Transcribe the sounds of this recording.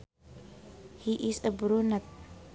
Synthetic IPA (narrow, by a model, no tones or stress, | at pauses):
hiʔisəbuɾunat̪̚